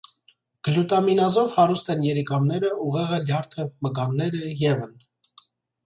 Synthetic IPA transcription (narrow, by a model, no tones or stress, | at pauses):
ɡ̥əljut̪ɑminɑzɔvhɑɾust̪ɛnjɛɾikɑmnɛɾəuʁɛʁɛljɑɾt̪ʰəməɡɑnːɛɾəjɛvən